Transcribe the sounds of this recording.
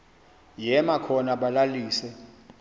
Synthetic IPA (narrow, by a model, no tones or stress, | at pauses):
jɛmakʰɔnaɓalaliːsɛ